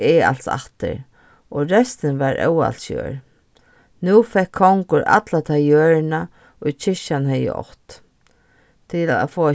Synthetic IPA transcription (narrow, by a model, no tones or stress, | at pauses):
ɛa̰lt̪sa̰ht̪ɪ̰ɾ | ɔɹɛst̪ɪnʋaɹʔɛ̰wa̰lt̪sjœ̰ːɹ | nufɛkʰːɔwŋkʊɹʔa̰t̪lat̪ʰajøːɹna | ʊjt͡ʃʰɪʃanhɛjə̰ɔ̰ht̪ | t̪ʰɪla̰foːa